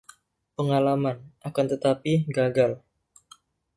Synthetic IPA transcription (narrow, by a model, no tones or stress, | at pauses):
pəŋalamanʔakant̪ət̪apiɡaɡal